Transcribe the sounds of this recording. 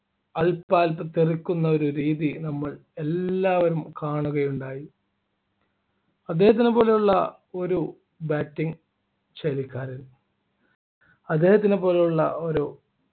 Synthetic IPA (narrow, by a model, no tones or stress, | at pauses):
ɐlpːaːlpɨt̪irikʲːunːɐo̞ɾuɾiːðinɐmːɐɭe̞lːaːʋɐɾumkaːɳuɣɐjuɳɖaːji | ɐd̪ːe̞ːhɐt̪̬ːinepo̞ːlejuɭːɐ | o̞ɾu | baːtːiŋ | t͡ɕelikʲːaːɾil | ɐd̪ːe̞ːhɐt̪̬ːinepo̞ːlejuɭːɐoɾo